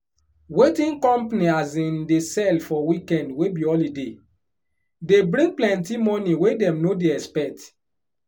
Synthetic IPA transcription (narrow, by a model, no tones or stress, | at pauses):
wetĩnkɔ̃mpniazĩndesɛlfɔwikɛ̃ndwebiɔlide | debɾĩŋɡ̚plɛ̃ntimɔ̃niwedɛ̃mnodeɛspɛk̚t